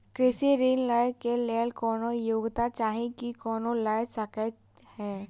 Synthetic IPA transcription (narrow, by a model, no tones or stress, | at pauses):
kɾɪsiɾiːnlaːjkeleːlkɔːnojoːɡt̪at͡ʃaːɦẽkikɔːnolaːjsəkə | hɛː